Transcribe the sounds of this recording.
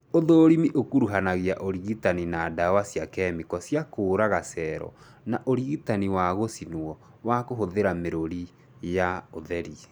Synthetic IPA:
oðoɾimiʔokuɾuɦanaɣiaʔoɾiɣitaninaːdawasijakɛmikɔsjakoːɾaɣasɛɾɔ̰ | naʔoɾiɣitaniwaɣosinuɔ | wakoɦoðeɾameɾoɾi | jaoðɛɾi

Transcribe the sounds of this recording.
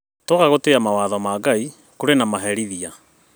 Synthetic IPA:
tokaɣoteamawaːðɔmaːɡai | koɾenamaɦɛɾiðia

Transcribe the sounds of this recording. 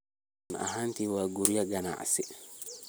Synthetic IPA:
na̰ɦantiwaɡuɾijaɡana̰ʔsɛ

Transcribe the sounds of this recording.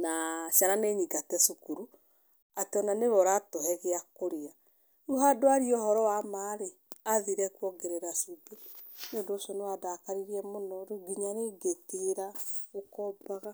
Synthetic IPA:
naʃaɾaneɲiɡatɛsukuɾu | ateɔnaneβɔɾatoɦɛɣeakoɾea | uɦadoaɾiɔhɔɾɔwamaɾe | aðiɾɛkwɔɡeɾeɾasube | neondoʃɔnewadakaɾiɾiɛmonɔɾuɡiɲaɾeɡeteɾaɣokɔbaɣa

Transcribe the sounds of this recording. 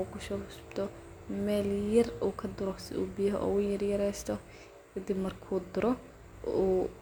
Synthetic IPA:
uːkʰʊʃɔkʊsʊ̥bd̪ʰɔ | mɛːljɐruːkʰɐd̪ʊɾɔsɪ̰ṵːbɪjɐɦʔɔ̰ːʊjɐrjɐɾɛjst̪ʰɔ | kʰɐd̪ibmɐrkʰuːd̪ʊɾɔ | uː

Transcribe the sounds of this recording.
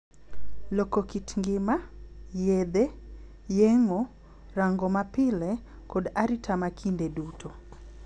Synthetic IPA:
lokokitŋɡɪmajed̪e | jeŋo | raŋɡɔmapɪle | kodaɾitʰamakʰindedutʰo

